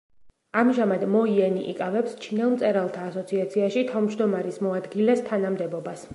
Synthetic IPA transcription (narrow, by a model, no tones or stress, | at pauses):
amʒamad̪mɔiɛniʔḭkʼavɛpst͡ʃʰinɛlˠmt̪sʼɛɾalˠt̪ʰaːsɔt̪sʰiat̪sʰiaʃit̪ʰavmʒd̪ɔmaɾismɔad̪ɡilɛst̪ʰanamd̪ɛbɔbas